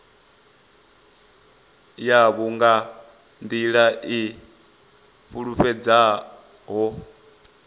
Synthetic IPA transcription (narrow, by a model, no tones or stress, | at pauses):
jaβuŋɡa | nd̪iɺaʔi | ɸuɺuɸɛd͡za | ɦɔ